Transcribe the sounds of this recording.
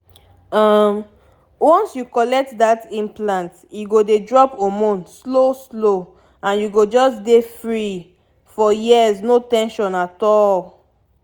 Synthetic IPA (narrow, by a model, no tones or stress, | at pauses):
ʌm | wɔ̃nsjukɔlɛk̚tdatĩmplãnt | juɡodedɹɔpomɔ̃nsloslo | ãnjuɡod͡ʒɔsdefɹi | fɔjiəznotɛ̃nʃɔ̃natɔl